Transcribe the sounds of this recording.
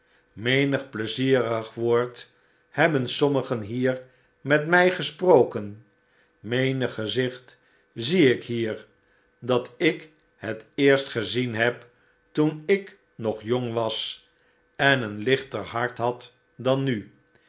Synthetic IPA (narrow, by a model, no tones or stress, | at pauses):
mejnəχpləziːrəχʋoːɹt | hɛbənsɔməχənɦiːɹ | mɛtmɛjχəsprowkən | mejnəχːəzɪχt | ziɪkɦiːɹ | dɑtɪk | hətɪːɹstχəzinɦɛp | tunɪk | nɔχjoŋʋɑs | ɛnənlɪχtəɹhɑɹtɦɑt | dɑnːy